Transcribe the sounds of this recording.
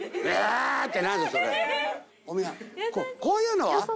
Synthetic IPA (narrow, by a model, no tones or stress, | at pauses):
at̪ːenãsasoɾe | omiakokoːjɯ̟ːnoβa